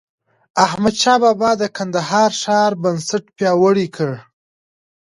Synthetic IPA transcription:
ahmad̪ʃɑbɑbɑd̪əkand̪aɦɑɾʂɑɾbansaʈpjɑwəɽikʰəɽ

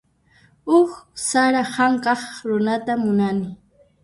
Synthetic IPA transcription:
ʊχsaɾahaŋkɑχɾʊnat̪amʊnanɪ

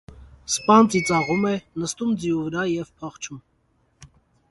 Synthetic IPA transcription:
spɑnt͡sit͡sɑʁumɛnəst̪umd͡ziuvəɾɑjɛvpʰɑχt͡ʃʰum

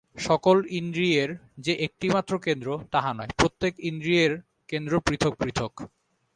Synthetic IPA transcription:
ʃɔkolind̪ɾieɾd͡ʑeʔek̚ʈimat̪ːɾokend̪ɾot̪aɦanɔepɾot̪ːekind̪ɾieɾ | kend̪ɾopɾit̪ʰok̚pɾit̪ʰok

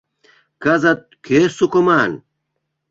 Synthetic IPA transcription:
kɐzɐt̪̚kʰeːsukomaːn

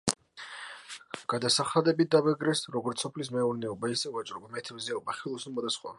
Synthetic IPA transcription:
ɡ̥ad̪asaχad̪ɛbit̪̚d̪avɛɡɾɛsɾɔɡɔɾt̪sɔpʰlis̬mɛuɾnɛɔbaisɛvat͡ʃʼɾɔbamɛt̪ʰɛmziaɔbaχilˠɔsunmɔd̪asχwa̰

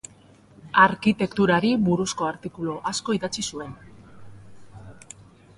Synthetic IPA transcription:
aɾkit̪e̞kt̪uɾaɾiβuɾusko̞aɾt̪ikuloʔasko̞iðat͡sisue̞n

